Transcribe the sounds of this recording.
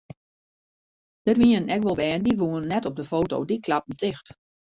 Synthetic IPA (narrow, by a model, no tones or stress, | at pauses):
d̥ərʋiənɛkʋɔlˠʋɛːəndiʋuənːɛtɔb̚dəfoːto̰wdikʰlap̚m̩n̩tʰɪxt